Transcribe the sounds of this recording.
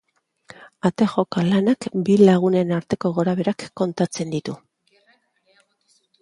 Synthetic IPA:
at̪e̞xo̞kalanakbilaɣ̞une̞naɾt̪e̞ko̞ɣo̞ɾaβ̞e̞ɾakːo̞nt̪at͡se̞nd̪it̪u

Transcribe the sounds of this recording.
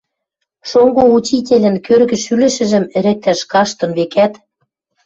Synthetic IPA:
ʃoŋɡout͡ɕit̬ʲelʲɘ̆nkørɣɘ̆ʃylɘ̆ʃɘ̆ʒɘ̆mɘ̆ɾɘ̆k̚t̪æʃkɑʃt̪ŏnβekæt̪

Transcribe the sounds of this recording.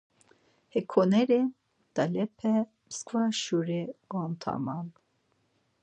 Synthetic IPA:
hɛkʰɔnɛɾɛ | d̪̥alɛpʰɛ | məskvaʃuɾɛɡ̥ɔnt̪ʰa̰man

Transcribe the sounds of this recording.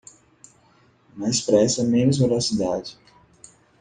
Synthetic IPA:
mɐispɾɛsɐmẽnʊzveɾasid̪ad͡ʒɪ

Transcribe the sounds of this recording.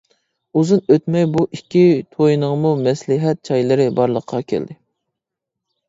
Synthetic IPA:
uzunøt̪mɛjbuʔikʲʰːit̪ʰojnəʁmumɛslɪɦɛt̪̚t͡ʃʰɑjlˠɨɾɪbɑɾlˠəqʰːɑkʲʰḛld̪ɪ

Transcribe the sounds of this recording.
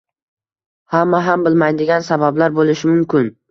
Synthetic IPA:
hamːaɦambɪlmajd̪ɪɡʲansabablaɾbolˠɪʃɪmʊmkʲʰɪn

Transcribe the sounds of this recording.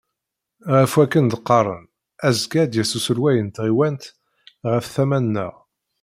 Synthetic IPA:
ʁəfwækːənd̪əqːɑɾˤə̰n | æzkæd̪jæsusəɾwæjənt̪ʁiwænt̪ | ʁəfθæmænːə̰ʁ

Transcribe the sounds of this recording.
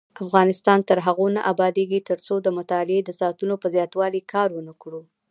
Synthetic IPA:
afɣɑnɪst̪ɑnt̪əɾɦaɣonaʔabɑd̪eɡit̪əɾt͡sod̪əmʊt̪ɑlɪed̪əsɑt̪unopəzjɑt̪wɑlikʰɑɾwənakɽu

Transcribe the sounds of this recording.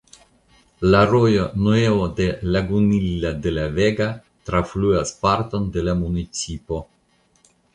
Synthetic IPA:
laɾojonoeod̪elaɡunilːad̪elaveɡa | t̪ɾafluaspaɾt̪o̞nd̪e̞lamunit͡sipo̞

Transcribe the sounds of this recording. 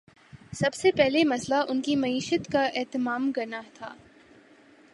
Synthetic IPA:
sɐbsepɛɦlemɐslaʔʊnkimɐiːʃət̪kaʔɛːt̪ɪmaːmkɐɾnat̪ʰa̰ː

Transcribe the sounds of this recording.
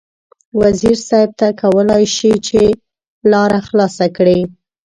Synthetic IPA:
waziɾsɑjɪb̚t̪akawəlɑjʃit͡ʃe | lɑɾaxlɑsakɽi

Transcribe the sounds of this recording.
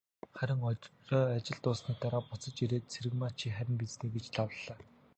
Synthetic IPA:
χæɾʲɪ̆ŋɔːat͡ɕɪ̆ɮt̪ʊːsniːt̪aɾaːpʊt͡sə̆t͡ɕiɾeːt̪t͡sʰeɾɘ̆ɣmaːt͡ɕʰiːχæɾʲɪ̆mpit͡sniːɡet͡ɕɮʰawɮːaː

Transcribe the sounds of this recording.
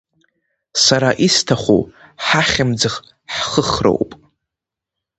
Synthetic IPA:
saɾaʔistʰaχʷṵħaχʲɪmd͡zɨχ | ħχəχro̰wpʼ

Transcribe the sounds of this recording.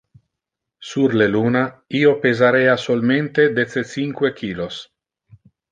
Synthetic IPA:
suɾlelunaiopezaɾeasolment̪ed̪et̪sesiŋkwekʰiːlos

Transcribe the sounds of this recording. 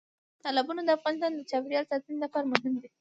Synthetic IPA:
t̪ɑlɪbɑnod̪əafɣɑnɪst̪ɑnd̪ət͡ʃɑbɾjɑlsɑt̪ənelapɑɾmʊɦɪmd̪i

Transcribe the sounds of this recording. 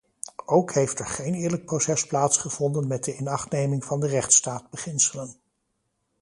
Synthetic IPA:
ʔowkɦejftɛɹχejnɪːɹlək̚prowsɛsplaːtsχəv̥ɔndənmɛt̚dəɪnɑχtnejmɪŋvɑndərɛχtstaːd̚bəχɪnsələn

